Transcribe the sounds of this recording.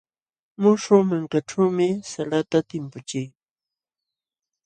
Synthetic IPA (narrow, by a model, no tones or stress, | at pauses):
mʊʂʊmaŋkaʈ͡ʂawmɪsalat̪at̪ɪmpʊt͡ʃɪj